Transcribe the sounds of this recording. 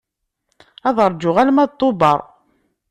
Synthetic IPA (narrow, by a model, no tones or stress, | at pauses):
ɑðˤəɾˤd͡ʒʊʁælmæðt̪ˤːobɑɾˤ